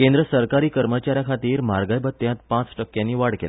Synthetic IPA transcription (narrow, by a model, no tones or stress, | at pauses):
kẽnd̪ɾəsəɾkaɾiːkəɾmət͡ɕaɾjakʰat̪iːɾmaɾɡajbət̪ːjãt̪̚pãt͡sʈəkːjãnːiːʋaɽkḛla